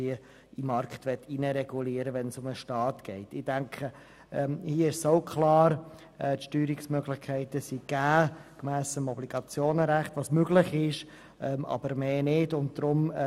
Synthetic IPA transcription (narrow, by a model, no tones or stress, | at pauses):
iə | imɑɾkχtʋɛtʰːinəɾɛɡuliːəɾəʋɛnsʊməʃtɑːtɡ̥ɛɪtɪd̥æŋkʰχə | ɛhiːəɪʃsoʊkʰlɑːɾ | ɛtʃtyːɾɪksmœɡlɪχkʰæɪtəsiɡ̥æːkmæːsəmɔbliɡɑt͡sjoːnəɾæχtvɑsmøɡ̥lɪχɪʃ | ʔɛmɑ̰bəɾmeːnɪdʊnt̚d̥ɾʊm